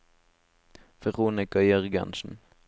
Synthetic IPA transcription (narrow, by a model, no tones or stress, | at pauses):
ʋɛʁuːnɪkɑjœʁɡɑ̰nʃn̩